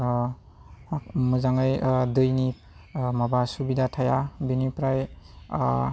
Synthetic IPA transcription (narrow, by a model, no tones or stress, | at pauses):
mɯzaŋɯjdɯjni | mabasubidatʰajabinipɾaj